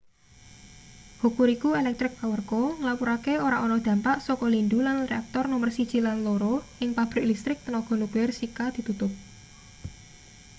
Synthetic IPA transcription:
hukuɾikuelɛk̚t̪ɾɪk̚pawərkoŋəlapuɾakeoɾaʔɔnɔd̪̥ä̤mpaʔsɔkɔlind̪ulanreak̚t̪ɔrnɔmərsid̥ʒ̥ilanloɾoɪŋpab̥ɾɪklist̪ɾɪk̚t̪ənɔɡ̥ɔ̤nuɡ̥ɛrsikad̪̥i̤t̪ut̪ʊp̚

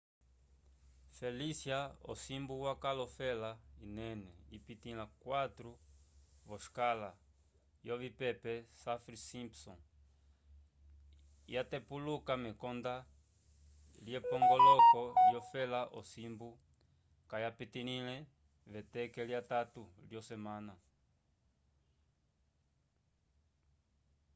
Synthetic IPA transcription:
felisjao̰simbuwakalɔfɛlainɛnɛipit̪ilakwat̪ɾu | vɔʃkala | jovipɛpɛsafɾisimpsɔ̰̃ŋ | jat̪epulukamɛkond̪a | liɛpɔŋɡɔlɔkɔjɔfɛlaʔosimbu | kajapit̪inilɛ | vet̪ɛkeliat̪at̪uljosemãna

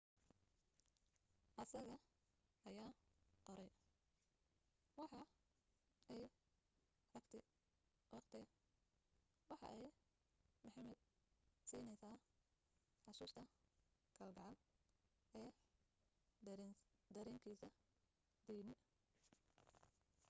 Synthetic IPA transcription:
ʔɐsɐɣɐ | ʔɐjaːqɔɾɛj | wɑħɑ | ɛj | rɐɡt̪ʰɛ | ɑɡt̪ʰɛ | wɑħɑ̰ʔɛj | mɐħɑmɛd̪̚siːnɛjsaː | ħɑsuːst̪ʰɐ | kʰɐlɡɑʕɑl | ʔɛː | d̪ɐɾɛːŋkʰiːsɐ | d̪̥ijnɪ

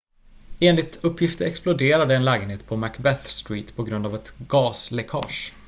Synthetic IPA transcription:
eːnlɪt̪ɵpːjɪft̪əɾɛksplʊd̪eːɾad̪əɛnlɛːɡənheːt̪pʰɔmækbɛθst̪ɾiːt̪pʰɔɡɾɵnd̪avɛt̪ɡ̥ɑːslɛkʰɑ̰ːʂ

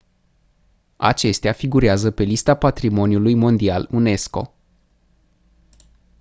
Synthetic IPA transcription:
a̰t͡ʃe̞st̪eafiɡuɾeazəpe̞list̪apat̪ɾimo̞njulujmo̞nd̪ialune̞sko̞̰

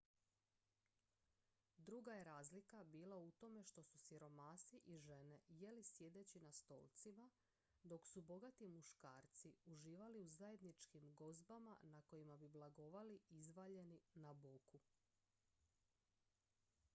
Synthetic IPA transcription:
d̪ɾuɡaje̞ɾaːzlikabiːlˠaut̪o̞me̞ʃt̪o̞susiɾo̞maːsiʔiʒe̞ne̞jelisje̞d̪e̞t͡ɕinast̪o̞̰ːlt̪sima | d̪o̞ksubo̞ɡat̪imuʃkaːɾt̪siuʒiːʋaliuzaje̞d̪nit͡ʃkimɡo̞zbama̰nako̞jimabiblˠaɡo̞ʋaliizʋaʎe̞ninaboku

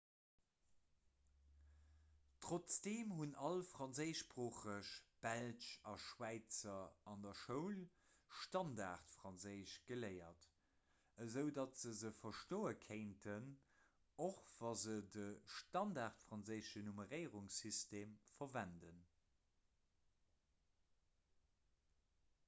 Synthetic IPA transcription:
tʀot͡sd̥eːmhunɑlfʁɑnzəɪʃpʁoːχəʃb̥ælʃɑʃwæɪt͡sɐɑndɐʃəʊl | ʃtɑndaːʁtfʁɑnzəɪʃɡ̥ələɪɐt | əzəʊdɑtz̥əzəfɐʃtoːəkʰeɪntʰən | oχv̥ɑzədəʃtɑndaːʁtfʁɑnzəɪʃənuməʁəɪʁuŋsysteːmfɐvændən

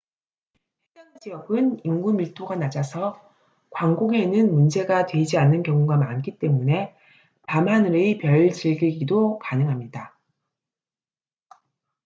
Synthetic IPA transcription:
hedanad͡ʑijʌɡɯniŋɡumiɭtʰoɡanad͡ʑasʰʌ | kwaŋɡoŋe̞nɯnmund͡ʑe̞ɡatwe̞d͡ʑianːɯnkjʌŋuɡamank͈ʰit͈e̞mune̞ | pamanɯɾeipjʌɭt͡ɕiɭɡiɡidokanɯŋɦamɲida

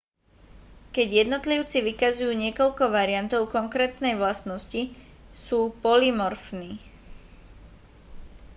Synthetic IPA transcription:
kɛɟjɛd̪nɔt̪liʊt͡siʋikazujuːɲɪɛkɔʎkɔʋaɾiɪant̪ɔʊkɔŋkɾɛːt̪nɛjʋlast̪nɔsci | suːpɔlimɔɾfniː

